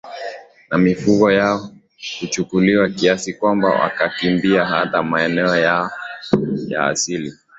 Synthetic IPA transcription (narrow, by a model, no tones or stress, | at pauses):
namifuɡɔjaɔ | hut͡ʃukuliwakiasikwamba̰wʔa̰kakimbiaɦa̰tamaɛnɛɔja | ja̰ːsili